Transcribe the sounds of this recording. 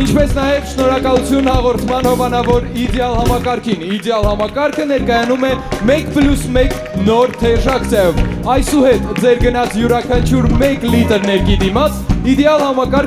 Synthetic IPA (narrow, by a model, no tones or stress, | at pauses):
int͡ʃʰpɛsnɑjɛvʃnɔɾɑkɑlut͡sʰjunhɑʁɔɾt̪ʰmɑnhɔvɑnɑvɔɾid̪ɛɑlhɑmɑkɑɾkʰinid̪ɛɑlhɑmɑkɑɾkʰənɛɾkɑjɑnumɛmɛkpljusmɛk | nɔɾt̪ʰɛʒɑkʰsʰɑjɔvɑjsuhɛt̪d͡zɛɾɡənɑt͡sʰjuɾɑkʰɑnt͡ʃʰuɾmɛklit̪əɾnɛɾkid̪imɑt͡sʰid̪ɛɑlhɑmɑkɑɾ